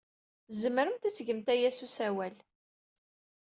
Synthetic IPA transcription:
zəmɾəmt̪æt͡sːʝəmt̪æjæsusæwæl

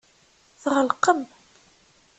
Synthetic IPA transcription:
θʁəlqəm

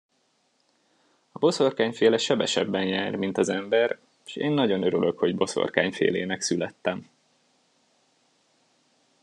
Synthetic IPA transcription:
ɒbo̞so̞rkaːɲfeːlɛʃɛbɛʃɛbːɛnjɛːrmint̪ɒzɛmbɛr | ʃeːnːɒɟo̞nøɾyløkho̞ɟbo̞so̰rka̰ːɲfḛːleːnɛksylɛt̪ːɛm

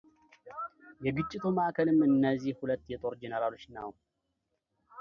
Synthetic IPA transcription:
jɛɡɨt͡ʃʼːit̪ʰʼumaʔkʰəlɨmɨnːazihhulət̪ːjɛt̪ʼo̞ɾd͡ʒɛnəɾalo̞t͡ʃːna̰w

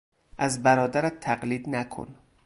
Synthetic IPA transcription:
ʔæzbæɾɒːd̪æɾæt̪ʰːæɢliːd̪nækʰo̰n

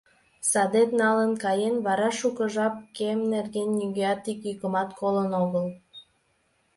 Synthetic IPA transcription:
sɑd̪et̪nɑlənkɑjenβɑɾɑʃukəʒɑp̚kemnerɣenːyɣeɑt̪ikykəmɑt̪kʰolənoɣəl

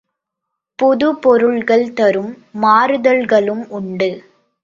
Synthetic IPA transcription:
pɔðɯpɔɾɯɭɣɐɭt̪ɐɾɯmː | aːɾɯðɐɭɣɐɭɯmʔʊɳɖɯ

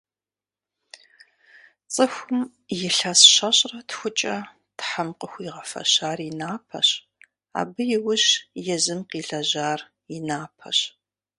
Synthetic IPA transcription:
t͡sʼɨxʷʊm | jɪɬɐsɕɐɕʼrɐtxʷʊt͡ʃʼɐ | tħamqʼəxʷiːʁɐfɐ̰ɕaːrinaːpʰɐ̰ɕ | a̰ːbɨjɪwʊʑjɛzɨmqiːɬɐʑaːr | inaːpʰɐ̰ɕ

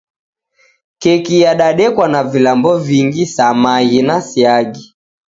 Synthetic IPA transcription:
kɛkijaɗaɗɛkwanavilambɔviŋɡisamajinasiaɡi

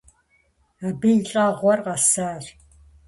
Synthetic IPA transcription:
abinɬʼaːʁʷɔrqɐsaːr

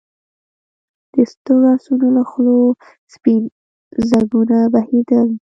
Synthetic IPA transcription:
d̪̥əst̪oɾasunolaxlo | spin | zaɡunabahid̪əl

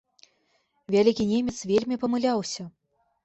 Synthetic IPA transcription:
vʲalʲikʲinʲemʲɛt̪svʲelʲmʲipɐmɨlʲawsʲɐ

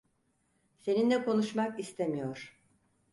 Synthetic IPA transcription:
se̞nind̪ɛko̞nuʃmakist̪ʰemijoɾ̥

